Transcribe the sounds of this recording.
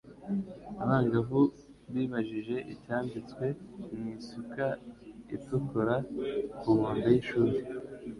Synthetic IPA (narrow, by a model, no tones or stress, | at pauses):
aβaːŋɡavu | βiːβaʒiʒe̞ʔicaːmbit͡skwe̞mŋiːsukaḭtukoɾakumaːndajiʃuːɾe